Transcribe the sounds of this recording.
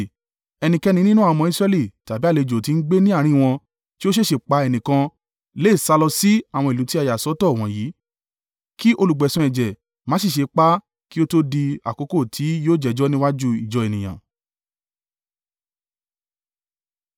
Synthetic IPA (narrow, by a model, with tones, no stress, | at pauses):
ɛ˧nĩ˧kɛ˧nĩ˧nĩ˦nũ˦a˧mɔ̃˧i˦sɾɛ˧˦li˦˨ta˨bi˦a˦˨le˧d͡ʒo˨ti˨˧n̩˦ɡ͡be˦nĩ˦a˦˨ɾ̃ĩ˦˨w̃ɔ̃˧ | ti˦o˦ʃ̬e˦˨ʃe˨k͡pa˧ɛ˧˨nĩ˨kã˧ | leː˦˨sa˧lɔ˧si˦a˨w̃ɔ̃˧i˨lu˨˦ti˦a˧ja˨sɔ˨˦tɔ˦˨w̃ɔ̃˨jiː˨˦ | ki˦ʔo˧lu˨ɡ͡bɛ˨sũ˧ɛ˨d͡ʒɛ˨ | mã˨˦ʃ̬e˦˨ʃe˧k͡pa˦ | ki˦o˦to˦di˧a̰˨ko˨˦ko˦˨tʰi˨˦joː˦˨d͡ʒɛ˨d͡ʒɔ˦nĩ˦wa˦d͡ʒu˦i˨d͡ʒɔ˧e˨nĩ˨j̃ã̰˨